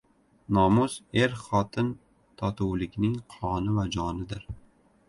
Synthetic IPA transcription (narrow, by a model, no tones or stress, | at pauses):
nɒmʊz̥e̞ɾχɒt̪ʰɪn | t̪ʰɒt̪ʰuwlɪkʲnɪŋqʰɒnɪvad͡ʒɒnɪd̪ɪɾ